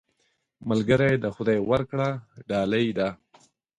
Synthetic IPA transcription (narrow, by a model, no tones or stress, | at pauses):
malɡəɾajd̪əxʊd̪ajwaɾkɽaɖɑːlajd̪a